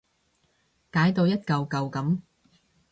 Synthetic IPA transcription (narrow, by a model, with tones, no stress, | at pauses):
kaː˨˥jt̪o˧wjɐ˥t̚kɐ˧wkɐ˨˧wkɐ˨˥m